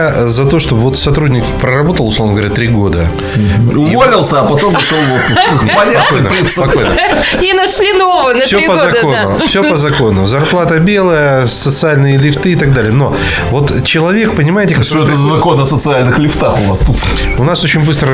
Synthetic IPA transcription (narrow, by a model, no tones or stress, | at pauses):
zɐt̪o̞ʂt̪obvo̞t̪sɐt̪ɾudʲnʲɪkpɾərɐbo̞t̪əlˠʊsˠo̞vnəɡəvɾʲat̪ɾʲiɡo̞d̪ə | ʊvolʲɪlˠsʲəɐpɐt̪omvɐʂolˠvofʲɪpɐnʲɐkonəpʲispɐkojnə̰ | inɐʂlʲinovənɐsʲopəzɐo̞nʊ̰ | fsʲɵppəzɐko̞nʊzɐrplˠat̪əbʲe̞lˠəjə | sət̪sɨalʲnɨjəlʲɪft̪ɨɪt̪ɐɡ̚d̪alʲɪjəno̞ | vo̞t̪ | t͡ɕɪlˠɐvʲe̞k̚pənʲɪmaɪtʲɪkɐtooɛt̪əzzɐko̞nɐsət̪sɨalʲnɨxlʲɪft̪axʊvast̪ut̪ | ʊnaso̞t͡ɕɪ̃nʲbɨst̪ɾə